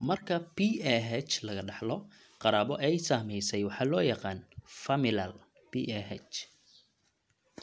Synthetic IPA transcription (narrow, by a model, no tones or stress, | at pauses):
mɐrkʰɐpiɛɦɛt͡ʃlɐɣɐɖɑħlɔ | qɑɾaːbɔʔɛjsaːmɛjsɛjwɑħɑːlɔːjɑqɑːnfɐmɪlɐl | biʔɛɦɛt͡ʃ